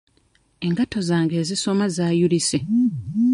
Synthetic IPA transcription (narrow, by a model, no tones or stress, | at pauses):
e̞ŋɡato̞zaːŋɡe̞ːziso̞mazaːjulise